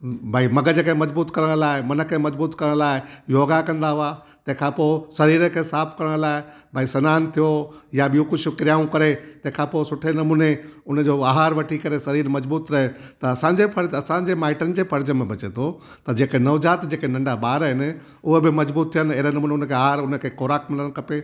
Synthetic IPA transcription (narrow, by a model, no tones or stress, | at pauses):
bʱaːimɐɡəd͡ʑeːkẽmɐd͡ʑbuːt̪kɐɾəɽ̃laːɪmɐnəkʰːemɐd͡ʑbuːt̪kɐɾəɽ̃laːɪɪjoːɡakɐ̃nd̪aɦʊa | t̪ɐ̃ɦɪ̃kʰãːpoːɪsɐɾiːɾəkʰeːsaːfʰkɐɾəɽ̃laːɪ | bʱaːisɐnaːnt̪ʰijojaɓijũkʊd͡ʑʰʊ̆kɪɾijaːũkɐɾet̪ɐ̃ɦɪ̃kʰãːpoːɪsʊʈʰenɐmuːneʊnə̆d͡ʑoaːɦaːɾʋɐʈʰikɐɾesɐɾiːɾmɐd͡ʑbuːt̪ɾɐɦet̪ɐɐsãɲd͡ʑepʰɐɾd͡ʑɐsãɲd͡ʑemaːɪʈənɪ̆d͡ʑeːfʰɐɾd͡ʑəmẽbɐt͡ɕet̪ʰo | t̪ɐd͡ʑeːkenɐʋd͡ʑaːt̪d͡ʑeːkenɐ̃ɳɖaɓaːɾɦɪnɪ̆ | ʊɦobɪmɐd͡ʑbuːt̪ʰːijənɪ̆ɪɦɾenɐmuːneʊnəkʰeaːɦaːɾʊnə̆kʰeːkoːɾaːkmɪləɽ̃kɐpe